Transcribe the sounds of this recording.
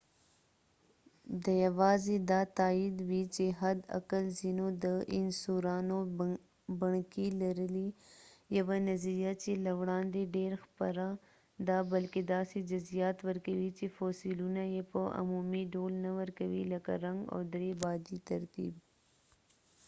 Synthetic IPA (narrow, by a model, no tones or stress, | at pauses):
d̪əjawɑːzed̪ɑt̪aːid̪wit͡ʃeɦad̪a̰kəlzinod̪əʔɪnsuɾɑːno | bəɳkilaɾəlijawanaziɾijat͡ʃelawɽɑːnd̪eɖeɾxpəɾa | d̪abɐlked̪ɑːsed͡ʒʊzijɑːt̪wəɾkawit͡ʃefosilunajepəʔa̰mumiɖoːlnawəɾkawilaka̰ɾaŋɡo̰d̪ɾebɑːd̪it̪ɐɾt̪ḭːb̚